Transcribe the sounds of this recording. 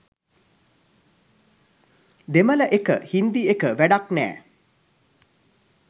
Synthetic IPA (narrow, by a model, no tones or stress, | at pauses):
d̪emələʔekəhind̪iekəʋæɖaknæ̰ː